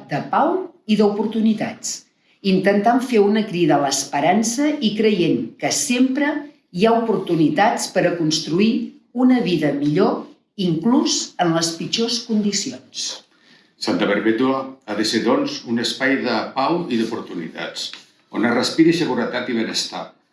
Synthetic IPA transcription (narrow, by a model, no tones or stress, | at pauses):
d̪əpawiðəupuɾt̪unit̪at͡s | int̪ənt̪aɱfeunəkɾiðələːspəɾansəikɾəjeŋkəsempɾə | iaupuɾt̪unit̪at͡spəɾəkunst̪ɾui | unəβiðəmiʎo | iŋkluzənləspid͡ʒoskund̪isions | sant̪əβəɾβet̪uaaðəseðɔnzunəspajðəpawiðupuɾt̪unḭt̪a̰t͡s | o̰narəspiɾəsəɣ̞uɾət̪at̪iβ̞enəst̪a̰